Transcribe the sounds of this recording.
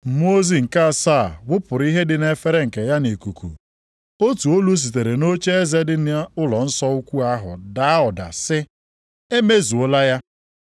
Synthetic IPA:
m̩˨m˦o˦zi˨ŋ̩˨ka˦˨saː˦˨wʊ˦pʊ˨ɾi˦ɦe˦dɪ˦ne˦fe˦ɾe˦ŋ̩˨ke˨ja˦ne˨ku˨kʰṵ˨ | o˦tu˨o˦lu˦s̬i˨t̬e˨ɾe˨no˦t͡ʃe˦e˦ze˦dɪ˦n˦ʊ˦lɔ˨n̩˦sɔ˦u˦kʷu˦a˦ɦʊ̰˨da˦a˦ɔ˨da̰˨sɪ˦ | e˦me˦zu˨o˦la˦ja˦

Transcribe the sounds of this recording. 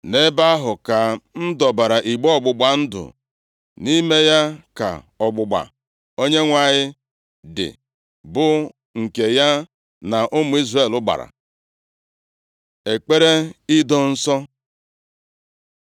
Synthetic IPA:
ne˦ba˦a˦ɦʊ˨ka˨n̩˦dɔ˨ba˨ɾa˨ʔi˨ɡ͡bɔ˦ɔ˦˨ɡ͡bʊ˨ɡ͡ba˨n̩˦dʊ̰˨ | ni˦me˦ja˦ka̰˨ | ɔ˨ɡ͡bʊ˨ɡ͡ba̰˨ | o˦ɲe˦ŋʷa˨ɲɪ˦ | dɪ̰˨ | bʊ˦ | ŋ̩˨ke˨ja˦ | na˨ʔʊ˦mʊ˨˦i˦zre˦˨lʊ˦ɡ͡ba̰˨ɾa̰˨ | e˨k͡pe˦ɾe˦ɪ˦dɔ˦n̩˦sɔ˦

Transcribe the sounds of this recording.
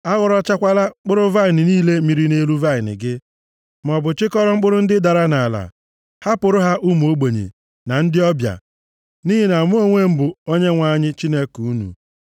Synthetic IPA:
a˦ɣɔ˨ɾɔ˦t͡ʃa˦kʷa˦la˦k͡pʊ˦ɾʊ˦va˦˨ɪ˨nɪ˨niː˦le˦mi˨ɾi˦ne˦lu˦va˦ɪ˨nɪ̰˨ɡɪ˦ | m̩˨ɔ˨bʊ˨t͡ʃɪ˦kɔ˦ɾɔ˦ŋ͡m̩˦k͡pʊ˦ɾʊ˦n̩˦dɪ˦da˨ɾa˦na˨la̰˨ | ha˦pʊ˨ɾʊ˦ɦa˦ʔu˦m˨o˦ɡ͡bo˨ɲḛ˨ | na˨n̩˦dɪ˦ɔ˦bja̰˨ | ni˦ɦi˦na˨m˦o˦ŋʷe˦m̩˦bʊ˨o˦ɲe˦ŋʷa˦˨ɲɪ˦t͡ʃi˦ne˦ku˨u˦nṵ˨

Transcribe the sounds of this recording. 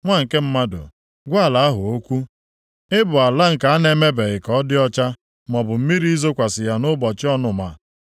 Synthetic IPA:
ŋʷa˦ŋ̩˨ke˦m̩˦ma˦dʊ̰˨ | ɡʷa˦˨la˨a˦ɦʊ˨o˦kʷu˦ | ɪ˦bʊ˨a˨la˦ŋ̩˨ka˨a˦ne˦me˦be˨ɣɪ˨kɔ˦dɪ˦ɔ˦t͡ʃa˦ | mɔ˨bʊ˨m̩˦mi˦ɾi˦zo˦kʷa˨sɪ˨ja˨nʊ˦bɔ˨t͡ʃɪ˦ɔ˦nʊ˨ma˨

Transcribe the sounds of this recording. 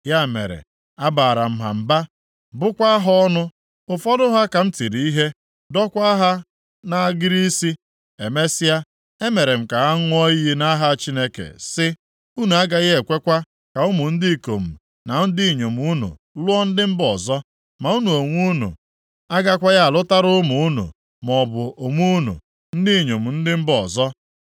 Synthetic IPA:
ja˦˨mḛ˨ɾḛ˨ | a˦ba˨ɾa̰˨m̩˨ɦa̰˨m̩˨ba˦ | bʊ˦kʷa˦ɦɔ˦nʊ˦ | ʊ˨fɔ˦dʊ˦ɦa˦ka˨m̩˦ti˨ɾi˨i˦ɦe˦ | dɔ˦kʷa˦a˦ɦa˦ | na˨ɡɪ˦ɾi˦si˦ | e˨me˦sɪ˦a˦ | e˦me˨ɾe˨m̩˨ka˨a˦ŋʊ˦ɔ˦i˦na˦ɦa˦˨t͡ʃi˦ne˦kḛ˨sɪ˦ | u˦nu˨a˦ɡa˦ɣɪ˦e˨kʷe˦kʷa˦ | ka˨ʊ˦mʊ˨n̩˦di˦˨ko˨m̩˨ | na˨n̩˦di˦˨ɲo˨m˨u˦nṵ˨ | lʊ˦ɔ˦n̩˦dɪ˦m̩˦bɔ˨zɔ˦ | ma˨u˦nu˨o˨ŋʷu˦nṵ˨ | a˦ɡa˦kʷa˦ja˦a˨lʊ˦ta˦ɾʊ˦mʊ˨˦nṵ˨ | m˨ɔ˨bʊ˨o˨ŋʷu˦nṵ˨ | n̩˦dɪ˦˨ɲo˨m̩˨n̩˦dɪ˦m̩˦bɔ˨zɔ˦

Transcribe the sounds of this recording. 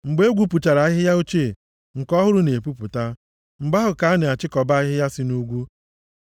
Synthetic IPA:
ŋ͡m̩˨ɡ͡be˦ɡʷu˦pʊ˨t͡ʃa˨ɾa˨a˦ɦɪ˦ja˦o˦t͡ʃe˦˨ | ŋ̩˨kɔ˦ɦʊ˦ɾʊ˦ne˨pu˦pʊ˨ta˦ | ŋ͡m̩˨ɡ͡ba˦ɦʊ˨ka˨˦ne˨a˨t͡ʃɪ˦kɔ˨ba˦a˦ɦɪ˦ja˦sɪ˦nu˦ɡʷu˦

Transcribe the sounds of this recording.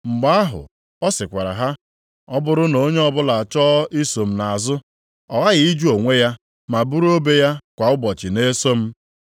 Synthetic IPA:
ŋ͡m̩˨ɡ͡ba˦a˦ɦʊ̰˨ | ɔ˦sɪ˨kʷa˨ɾa̰˨ɦa˦ | ɔ˦bʊ˦ɾʊ˦no˦ɲe˦ɔ˦bʊ˦la˨a˨t͡ʃɔ˦ʔi˦so˨m̩˨na˨a˨zʊ˦ | ɔ˨ɣa˦ɣɪ˨i˦d͡ʒu˦o˨ŋʷe˦ja˦ | ma˨bu˦ɾo˦be˦ja˦kʷa˨ʊ˦bɔ˨t͡ʃɪ˨ne˦so˦m̩˦

